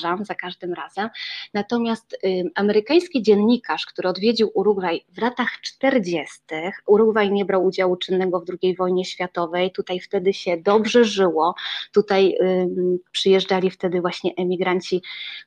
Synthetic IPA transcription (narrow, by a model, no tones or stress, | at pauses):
ʐamzakaʐd̪ɘmɾazɛmnat̪ɔmʲjast̪amɛɾɘkaj̃skʲid͡ʑɛnɲikʰaʂkt̪uɾɘɔd̪vʲjed͡ʑiwʔuɾuɡvajvlat̪axt͡ʂt̪ɛɾd͡ʑɛst̪ɘxuɾuɡvajɲɛbɾawud͡ʑawut͡ʂɘnːɛɡɔvd̪ɾuɡʲejvɔjɲɛɕfʲjat̪ɔvɛjt̪ut̪ajft̪ɛd̪ɘɕɛd̪ɔbʐɛʐɘwɔt̪ut̪aj | pʂɘjɛʐd͡ʐalʲift̪ɛd̪ɘvwaɕɲɛʔɛmʲiɡɾaɲt͡ɕi